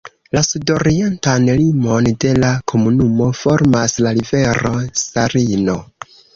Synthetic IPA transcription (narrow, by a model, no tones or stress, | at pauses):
lasudoɾientanlimo̞nde̞lakʰo̞munumo̞fo̞ɾmaslaɾive̞ɾo̞saɾino̞